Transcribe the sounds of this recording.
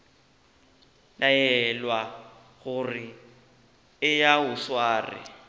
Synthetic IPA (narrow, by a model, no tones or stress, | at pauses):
lajɛlwa | ɣʊrɪ | ɪjaʊswaːrɪ̰